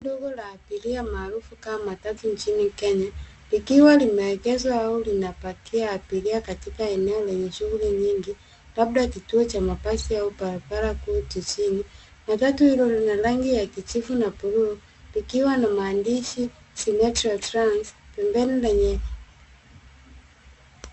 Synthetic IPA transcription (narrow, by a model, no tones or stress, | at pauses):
dɔɡɔlaːpiliamaːɾufukamamatatuɲt͡ʃinikɛɲa | likiwalimaɛkɛzwaaulinapakiaːpiliakatikaɛnɛɔlɛɲɛʃuɣuliɲiŋɡi | labdakituɔt͡ʃamapasiaupalapalakuːtit͡ʃini | matatuhilɔlinalaŋɡijakit͡ʃifunapuɾuɔ | pikiwanamaːndiʃi | simɛtɾaltɾanspɛmbɛnilɛɲɛ